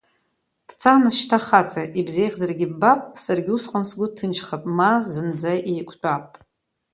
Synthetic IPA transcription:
pʰt͡sʰanɨʃtʰaχat͡sʰʼaʔibzejʁʲzarɡʲɪbbapʼsarɡʲɪusqʼansɡʷʊtʰɨnt͡ʃʰχapʼmazɨnd͡zaʔejkʷʰt͡pʷʼapʼ

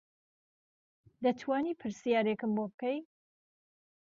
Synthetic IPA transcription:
d̪ɐt̪ʰwaːniːpʰɨɾsijaːɾekɨmbobɨkɐj

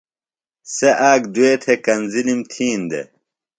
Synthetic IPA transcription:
seʔaːɡd̪ueːt̪ʰekɐnzilimt̪ʰiːnd̪ḛ

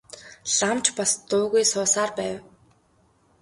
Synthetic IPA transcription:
ɮamt͡ɕpast̪ʊːɣujsʊːsaːrpæːw

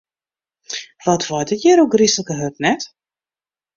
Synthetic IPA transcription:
ʋɔtʋɔjdɪtjɛɾoɡrisləkəɦøtnɛt

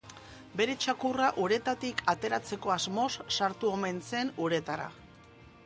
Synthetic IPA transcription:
be̞ɾe̞t͡ʃakuraʔuɾe̞t̪at̪ikʰat̪e̞ɾat͡se̞ko̞azmo̞sːaɾt̪uo̞me̞nse̞nuɾe̞t̪aɾa̰

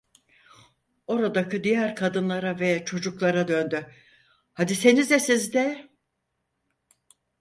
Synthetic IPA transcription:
o̞ɾad̪acɯd̪ijæɾkʰad̪ɯnlˠaɾavɛt͡ʃʰo̞d͡ʒuklˠaɾad̪ø̞nd̪y | had̪ise̞nizd̪ɛsizd̪ɛ

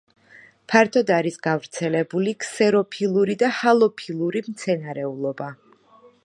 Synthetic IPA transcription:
pʰaɾt̪ʰɔd̪aɾisɡavɾt̪sʰɛlɛbuliksɛɾɔpʰilˠuɾid̪ahalˠɔpʰilˠuɾimt̪sʰɛnaɾɛulˠɔba

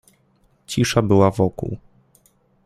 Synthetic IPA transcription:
t͡ɕiʂabɘwavɔkṵw

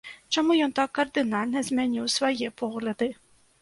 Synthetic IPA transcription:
t͡ʃɔmujɔnt̪ɑkːɐrd̪ɪnɑlʲnɐzmʲɛnʲiwsʋɔjipɔɣlʲɐd̪ɨ

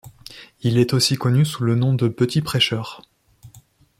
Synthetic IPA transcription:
ilɛt̪osikɔnysulənɔ̃d̪əpət̪ʰipχɛʃœːʁ

